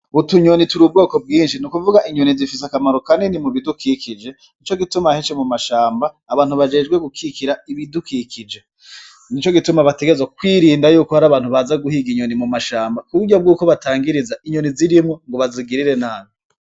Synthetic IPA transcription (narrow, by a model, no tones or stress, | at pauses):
utuɲonituɾub̚ɡo̞ːko̞b̚ɡiːnʃinukuvuɡaʔiɲonizifis̬akamaɾokanenimuβidukiːkʰid͡ʒe̞ | nit͡ʃo̞ɡitumahet͡ʃemumaʃaːmbaːβaːnhuβad͡ʒe̞ːd͡ʒɡwe̞ɡukʰiːkiɾaiβidukikʰid͡ʒe | nit͡ʃoɡitumaβate̞ɡezwakwiːɾiːndajuːkohaɾaːβaːn̥huβazaɡuhiɡiɲo̞nimumaʃaːmbakuβuɟob̚ɡuːko̞βataːŋɡiɾizaʔiɲo̞niziɾimŋoŋɡoβaziɡiɾiɾe̞naːne